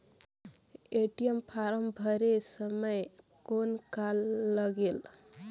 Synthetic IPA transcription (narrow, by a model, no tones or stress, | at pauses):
eʈijempʰaɾəmbʱəɾesəməj | konkalːəɡel